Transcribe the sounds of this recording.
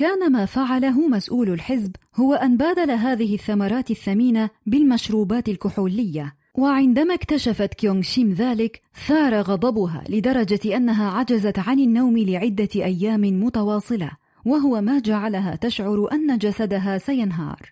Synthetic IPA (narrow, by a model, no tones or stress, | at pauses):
kaːnamaːfaʕalaɦʊmasʔuːlalħɪzb | hʊwaʔanbaːd̪alaɦaːðɪhɪθːamɑɾˤɑːt̪ɪθːamiːnabɪlmaʃɾuːbaːt̪ɪlkʊħuːlɪjːa | waʕɪnd̪amaːkt̪aʃafat̪kjoŋɡʃɪmðaːlɪk | θɑːɾˤɑɣɑd̪ˤɑbʊɦa̰ːlɪd̪ɑɾˤɑd͡ʒaʔanːaɦaːʕad͡ʒazat̪ʕanɪnːawmɪlɪʕɪd̪ːaʔajːaːmɪmʊt̪ɑwɑːsˤɨla̰ | waɦʊwamaːd͡ʒaʕalaɦa̰ːt̪aʃʕʊɾʔanːad͡ʒasad̪aɦaːsajanɦɑ̰ːɾˤ